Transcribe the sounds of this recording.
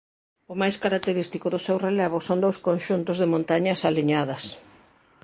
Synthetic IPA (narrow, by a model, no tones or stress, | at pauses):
ʊmajskaɾak̚t̪eɾist̪ikʊðʊsewrelɛβ̞ʊsond̪owskõnʃunt̪ʊzðɪmõnt̪aɲɐsaliɲaðɐs